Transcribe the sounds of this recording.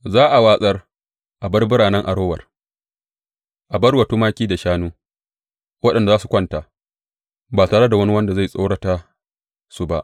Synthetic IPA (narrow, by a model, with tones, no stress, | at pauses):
zaː˦ʔa˨waː˦sʼɐ˦r | ʔa˨bɐ˦rbʊ˦ɽaː˨nɐ˦ŋʔa˨ɽoː˦wɐ̰˨r | ʔa˨bɐ˦rwɐ˨tuː˦maː˦kʲiː˦da˨ʃaː˦nuː˦ | wɐ˦ɗɐ˨nda˨zaː˦su˨kʷɐ˦nta˨ | baː˨taː˨ɽe˦da˨wɐ˦ni˦wɐ˦nda˨za˦˨sʼo˦ɽɐ˦ta˦ | su˦ba˦ʔ